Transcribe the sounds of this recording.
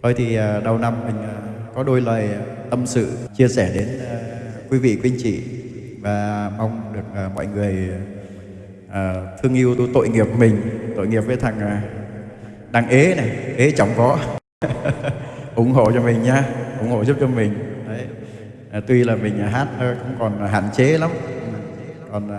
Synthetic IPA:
t̪ʰo˧jt̪ʰi˨˩ʔəː˨˩ɗə˨˩wna˧mːï˨˩ŋ̟əː˨˩kɔ˨˦ɗo˧jləː˨˩jt̪ə˧msɨ̰˧˨t͡ɕi˧əsɛ˧˩ɗe˨˦nəː˨˩kwi˨˦vḭ˧˨kwi˧ənt͡ɕḭ˧˨ | vaː˨˩ma˧wŋ͡mɗɨ˨˩ək̚ːmɔ̰˧˨jŋɨ˨˩əj | ʔəː˨˩t̪ʰɨ˧əŋʔi˧əwt̪t̪o̰˧˨jŋi˨˩əp̚mï˨˩ŋ̟t̪o̰˧˨jŋi˨˩əp̚vəː˨˦jt̪ʰa˨˩ŋː˨˩ | ɗaː˧ŋʔe˨˦na˨˩ʔe˨˦t͡ɕa˨˦wŋ͡mkɔ˨˦ | ʔʊ˨˧˦ŋ͡mɦo̰˧˨t͡ɕɔ˧mï˨˩ŋ̟ɲaː˧ʔʊ˨˦ŋ͡mho̰˧˨zu˦˥p̚t͡ɕɔ˧mï˨˩ŋ̟ɗə˨˦j | ʔːt̪wi˧laː˨˩mï˨˩ŋ̟a˨˩ɦaː˦˥t̚ːxʊ̰˧˥wŋ͡mkɔ˨˩n˩ɦa̰ː˧˨nt͡ɕe˨˦la˨˦m | kɔ˨˩nː˨

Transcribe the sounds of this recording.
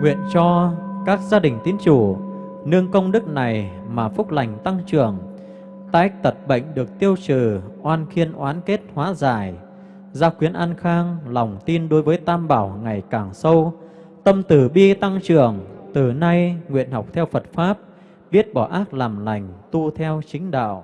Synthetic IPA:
ŋwḭ˧˨ənt͡ɕɔ˧kaː˦˥k̚zaː˧ɗï˨˩ŋ̟t̪i˨˦ənt͡ɕu˧˩ | nɨ˧əŋkə˧wŋ͡mɗɨ˦˥k̚na˨˩j | maː˨˩fʊ˦˥k͡p̚la˨˩jŋ̟t̪a˧ŋt͡ɕɨ˨˩əŋ | t̪aː˧˦ʔa˦˥k̚t̪ʰə˨˩t̚ɓə̰˧˨jŋ̟ɗɨ˨˩ək̚t̪i˧əwt͡ɕɨ˧˩ʔwaː˧nxi˧ənʔwaː˨˦nke˦˥t̚hwaː˨˦zaː˧˩j | zaː˧xwi˨˦ənʔa˧nxaː˧ŋlɔ˨˩wŋ͡mt̪i˧nɗo˨˦jvəː˨˦jt̪aː˧mɓaː˧˩wŋa˨˩jkaː˨˩ŋsə˧w | t̪ə˧mt̪ɨ˨˩ɓi˧t̪a˧ŋt͡ɕɨ˨˩əŋt̪ɨ˨˩na˧jŋwḭ˧˨ənɦɔ˨˩wk͡p̚t̪ʰɛ˧wfə˨˩t̚faː˦˥p̚ | ɓi˦˥ət̚ɓɔ˧˩ʔaː˦˥k̚laː˨˩mla˨˩jŋ̟t̪u˧t̪ʰɛ˧wt͡ɕï˨˦ŋ̟ɗa̰ː˧˨w

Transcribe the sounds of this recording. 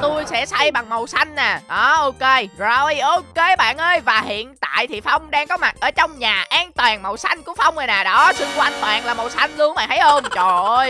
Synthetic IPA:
t̪u˧jsɛ̰˧˥sa˧jɓa˨˩ŋmə˨˩wsa˧jŋ̟naː˨˩ɗɔ˨˦ʔo˧ke˧za˧ʔo˧ke˧ɓa̰ː˧˨nʔəː˧jvaː˨˩hḭ˧˨ənt̪a̰ː˧˨jt̪ʰi˨˩fa˧wŋ͡mɗaː˧ŋkɔ˨˦ma˨˩t̚ʔəː˧˩t͡ɕɔ˧wŋ͡mɲaː˨˩ʔaː˧ŋt̪waː˨˩nmə˨˩wsa˧jŋ̟kṵ˧˥əfa˧wŋ͡mʔə˨˩naː˨˩ɗɔ˨˦sɨ˧ŋkwa˧jŋ̟t̪wa̰ː˨˩nlaː˨˩mə˨˩wsa˧jŋ̟lu˧əŋɓa̰ː˧˨˩nʰa˨˦jʔo˧mt͡ɕɔ˨˩ʔə˧j

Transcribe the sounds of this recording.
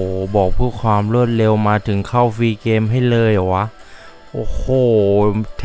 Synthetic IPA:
bɔː˨˩k̚pʰɯː˧˥˩kʰwaː˧mɾu˥˩ət̪̚le˧wmaː˧t̪ʰɯ˩˦ŋkʰa˥˩wfiː˧keː˧mɦa˥˩jlɤː˧jʔa˨˩wa˦˥ʔ | ʔoː˧˩hʰoː˨˧˩t̪ʰ

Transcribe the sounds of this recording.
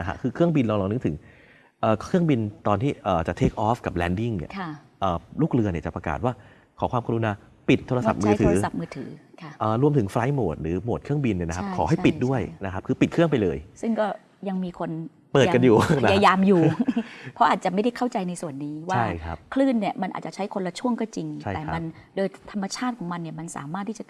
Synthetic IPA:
na˦kʰa̰˦˥kʰɯː˧kʰɯ˥˩əŋbi˧nlɔː˧ŋlɔː˧ŋnɯ˦˥t̪ʰɯ˩˦ŋ | ʔəː˨˩kʰɾɯ˥˩əŋbi˧nt̪ɔː˧nt̪ʰiː˥˩ʔɤː˨˩t͡ɕa˨˩t̪ʰeː˦˥k̚ʔɔː˦˥fka˨˩p̚lɛː˨˧˥ndi˥˩ŋnḭ˧˩ɐ˥˩ | ʔəː˨˩luː˥˩k̚ɾɯ˧ni˥˩ɐt͡ɕa˨˩pɾa˧ka̰ː˨˩t̪̚waː˥˩ | kʰɔː˩˦kʰwaː˧mkʰa˧ɾu˧naː˧ | pi˨˩t̪ʰːoː˧ɾa˧a˨˩p̚mɯː˧t̪ʰɯː˧˩˦a˨˩p̚mɯː˧t̪ʰɯː˩˦kʰʔəː˨˩ɾu˧əmt̪ʰɯ˩˦ŋfɾa˦˥jmoː˨˩t̪̚ɾɯː˩˦mo˨˩t̪̚kʰɯ˥˩əŋbi˧nː˧˥˩na˦kʰa˦˥kʰɔ̰ː˩˦ɦa˥˩pi˨˩t̪̚du˥˩əjna˦˥kʰa˦˥p̚kʰɯː˧pi˨˩t̪̚ʰɯ˥˩əŋpa˧jlɤː˧jsɯ˥˩ŋkɔː˥˩ | ja˧ŋmiː˧kʰo˧n | pɤː˨˩˧ka˧njuː˨˩a˦aː˧jaː˧mjuː˨pʰɾɔ˦˥ʔaː˨˩t̪̚t͡ɕa˨˩ʔma˥˩jda˥˩jkʰa˥˩wt͡ɕa˧jna˧jsu˨˩ənːiː˦˥waa˥˩jkʰa˦˥pkʰlɯː˥˩nːi˥˩əma˧nʔa̰˨˩t̪t͡ɕa˨˩t͡ɕʰa˦˥jkʰo˧nla˧t͡ɕʰu˥˩əŋkɔː˥˩t͡ɕi˧ŋt͡ɕtʰa˥˩k̪ɛː˨˩˦ma˧ndoː˧jt̪ʰa˧mːa˧t͡ɕʰaː˥˩t̪̚kʰɔː˩˦ŋma˧nːi˥˩əma˧nsa̰ː˩˦maː˥˩t̪ʰːi˥˩t͡ɕa˨˩

